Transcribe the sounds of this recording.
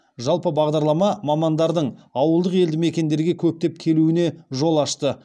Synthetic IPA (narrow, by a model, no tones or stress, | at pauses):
ʒɑlˠpəbɑʁd̪ɑɾlˠɑmɑmɑmɑnd̪ɑɾd̪əɴɑwəlˠd̪əqe̞ld̪ɪme̞kʲe̞nd̪e̞ɾɡʲe̞kʲʰɵp̚t̪e̞p̚kʲʰe̞luɪne̞ʒo̞lˠɑʃt̪ə